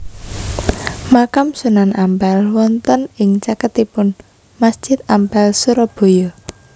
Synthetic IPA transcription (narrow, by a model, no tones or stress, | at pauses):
makamsunanampalwɔnt̪ɔnɪŋt͡ʃakət̪ipʊn | masd̥ʒ̥ɪt̪̚ampalsuɾɔb̥o̤jɔ